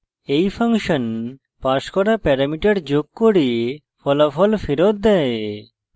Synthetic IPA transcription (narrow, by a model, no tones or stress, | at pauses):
ejfʰaŋʃɔn | paʃkɔɾapɛɾamiʈaɾd͡ʑoɡ̚koɽi | fɔlafʰɔlfiɾot̪̚d̪ɛe